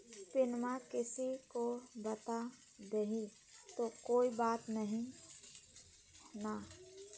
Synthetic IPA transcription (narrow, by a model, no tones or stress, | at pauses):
sɪnmakɪsikobət̪a | d̪eɦi | t̪okoːibaːt̪nəɦĩ | na